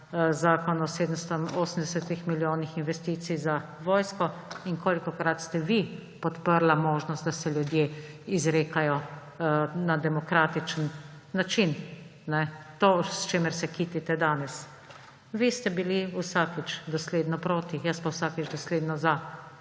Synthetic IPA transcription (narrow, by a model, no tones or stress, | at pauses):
zaːkɔnɔseːd̪əmst̪ɔoːsəm̩d̪ɛsɛt̪ixmiljoːnixinʋɛst̪iːt̪sijza | ʋɔːjskɔiŋkoːlikɔkɾat̪st̪ɛʋi | pɔt̪pəɾlamoːʒnɔst̪d̪asɛljud̪jeizɾeːkajɔ | nad̪ɛmɔkɾaːt̪it͡ʃənː | at͡ʃinnɛt̪oːst͡ʃeːməɾsɛkiːt̪it̪ɛd̪aːnɛs | ʋist̪ɛbiliusaːkit͡ʃd̪ɔsleːd̪nɔpɾoːt̪ijaspawsakit͡ʃd̪ɔsleːd̪nɔza